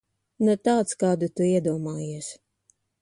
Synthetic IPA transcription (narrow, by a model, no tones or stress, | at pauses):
nɛt̪aːt̪skaːd̪ut̪uiɛd̪uɔmaːjiɛs